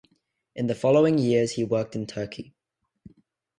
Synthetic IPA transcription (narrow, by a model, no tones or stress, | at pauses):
ʔɨ̃nðəfɒloʊɪ̃ŋjɪəz̥hiwɜˑ˞k̚tɨ̃ntʰɜˑ˞kʰi